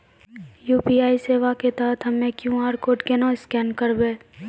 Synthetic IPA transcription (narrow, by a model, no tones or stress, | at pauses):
juːpiaːiseːʋaket̪aːɦt̪ʰɦɐmẽkjũːɦaːɾkoːɾʈkenãːɪskɛːnkəɾbeː